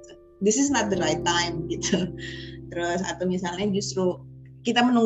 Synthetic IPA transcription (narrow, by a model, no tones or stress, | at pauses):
dɪsɪs̬nat̪̚d̪əɾajt̪ːajmɡit̪ut̪əɾɔs̬a̰t̪awmisalɲad͡ʒust̪ɾu | kit̪amənuŋ